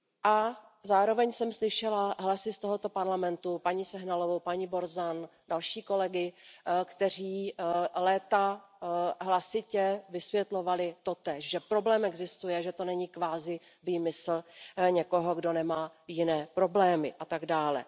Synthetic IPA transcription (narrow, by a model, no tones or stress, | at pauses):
ʔa | zaːɾo̞vɛɲsɛmslɪʃɛlaɦlasɪst̪oɦot̪o̞paɾlamɛnt̪upaɲiːsɛɦnalo̞vowpaɲiːbo̞ɾzandalʃiːko̞lɛɡɪkt̪ɛr̝iːlɛːt̪a | ɦlasɪcɛvɪsvjɛt̪lo̞valɪt̪o̞t̪ɛːʃʒɛpɾo̞blɛːmɛɡzɪst̪ujɛʒɛt̪o̞nɛɲiːkvaːzɪ | viːmɪsl̩ɲɛko̞ɦo̞ɡdo̞nɛmaː | jɪnɛːpɾo̞blɛːmɪʔat̪aɡdaːlɛ̰